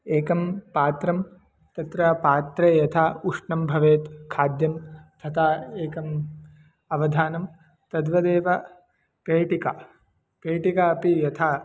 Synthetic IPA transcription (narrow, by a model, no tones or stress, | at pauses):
eːkɐmpaːt̪ɾɐm | t̪ɐt̪ɾɐpaːt̪ɾeːjɐt̪ʰaːuʂɳɐmbʱɐʋeːt̪kʰaːd̪jɐmt̪ʰɐt̪aːeːkɐm | ɐʋɐd̪ʱaːnɐm | t̪ɐd̪ʋɐd̪eːʋɐ | peːʈika | peːʈikaɐpijɐt̪ʰaː